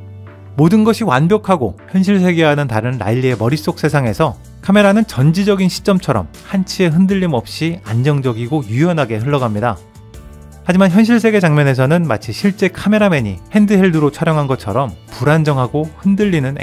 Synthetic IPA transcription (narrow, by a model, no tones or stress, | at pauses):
modɯnɡʌɕʰiwanbjʌkʰaɡoçjʌnɕ̬ʰiɭs̬ʰe̞ɡe̞ɦanɯntaɾɯnɾa̰iʎːie̞mʌɾis͈ok̚s͈ʰe̞sʰaŋe̞sʰʌ | kʰame̞ɾanɯnt͡ɕʌnd͡ʑid͡ʑʌɡinɕʰi̥t͡ɕ͈ʌmt͡ɕʰʌɾʌ̰mhant͡ɕʰie̞ɦɯndɯʎːimʌp̚ɕ͈iand͡ʑʌŋd͡ʑʌɡiɡojujʌnɦaɡe̞ɦɯɭːʌɡamɲida | had͡ʑimançjʌnɕ̬ʰiɭs̬ʰe̞ɡe̞t͡ɕaŋmʌne̞s̬ʰʌnɯnmat͡ɕʰiɕʰiɭt͡ɕ͈e̞kʰame̞ɾame̞ɲḭhe̞ndɯɦeɭdɯɾot͡ɕʰwaɾjʌŋɦanɡʌt͡ɕʰʌɾʌmpuɾand͡ʑʌŋɦaɡohɯndɯʎːinɯn̰